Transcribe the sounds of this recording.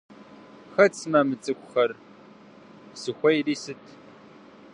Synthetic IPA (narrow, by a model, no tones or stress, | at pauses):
xɐt͡sʰmɐmɨt͡sʼɨkʷʰʼʊxɐr | sɨxʷɔjriːsɨtʰ